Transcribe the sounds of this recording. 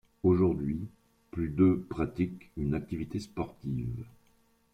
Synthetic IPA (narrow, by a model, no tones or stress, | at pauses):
oʒuʁd̪ɥi | plyd̪øpχat̪ikynak̚t̪ivit̪espɔʁt̪iv